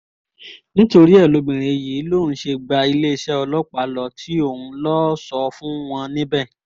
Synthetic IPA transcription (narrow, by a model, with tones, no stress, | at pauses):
nĩ˦to˧ɾi˦ɛ˦˨lo˨˦ɡ͡bĩ˨ɾ̃e˨ji˨˦lo˦˨ñ̩˨˦ʃe˧ɡ͡ba˧i˧le˦i˧˨ʃɛ˦ɔ˧lɔ˦k͡pa˨˦lɔ˨tʰi˨˦o˦˨hũ˧lɔ˦sɔ˧fũ˦w̃ɔ̃˧nĩ˦bɛ˦˨